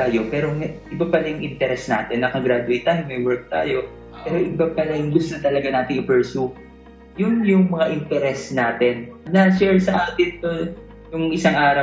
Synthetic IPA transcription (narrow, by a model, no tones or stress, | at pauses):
aːjo̞pɛːɾoŋʔɪbapɐlajʊŋʔɪnt̪ɛɾɛsnaːt̪ɛnːɐkɐɡɾad̪ʊɐjt̪ːajɪŋmɐjwɛɹk̚t̪a̰ːjo̞ | pɛːɾo̞ʔɪbapɐlɐjʊŋɡʊst̪ont̪ɐlɐɡanaːt̪ɪŋɪpɛɹsu | jʊnjʊŋmɐŋaʔɪnt̪ɛɾɛsnaːt̪ɛnnɐʃɛɹsɐʔaːt̪ɪnt̪o | jʊŋʔɪsaŋʔaːɾɐw